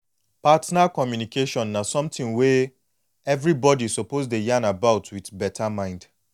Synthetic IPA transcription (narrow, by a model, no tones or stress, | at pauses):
patnakɔmjunikeʃɔ̃nːasɔ̃mtɪ̃ŋwe | ɛvɹibɔdisopozdejãnabaʊtʰwitbɛtʰamãɪ̃nd̥